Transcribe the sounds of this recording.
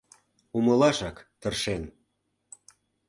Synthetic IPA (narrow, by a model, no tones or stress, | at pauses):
umɤ̆lɑʃɑkt̪ə̆rʃen